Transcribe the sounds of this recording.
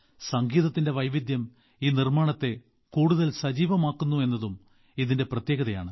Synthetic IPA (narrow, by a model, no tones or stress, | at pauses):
sɐŋɡiːðɐt̪ːinde̞ʋɐjʋid̪jɐm | iːnirmaːɳɐt̪ːe̞ | kuːɽuðɐlsɐd͡ʑiːʋɐmaːkːunːue̞nːɐðum | iðinde̞prɐt̪jeːɣɐðɐja̰ːɳɨ